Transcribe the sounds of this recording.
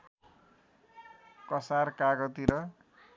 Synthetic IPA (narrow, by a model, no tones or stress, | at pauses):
kʌsarkaɡʌt̪iɾʌ